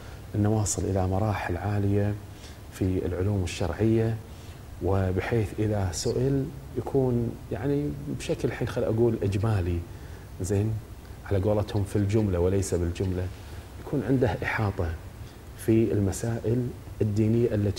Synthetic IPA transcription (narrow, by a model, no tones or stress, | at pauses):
ʔɪnːawɑːsˤɨlʔɪlamɑɾˤɑːħɪlʕaːlɪja | fiɪ̰lʕʊluːmɪʃːɑ̰ɾˤʕɪjːa | wɪbɪħeːθʔɪðasʊʔɪljakʰuːnjaʕnibʃaklħiːnxalːiʔaɡuːlʔɪd͡ʒmaːli | zeːnʕalaɡoːlɑt̪hʊmfild͡ʒʊmlawɪleːsabɪld͡ʒʊmla | jakʰuːnʕɪnd̪ahʔɪħɑːt̪ˤɑ | fiɪlmasaːʔɪlɪd̪ːiːnɪjːaʔɪlːa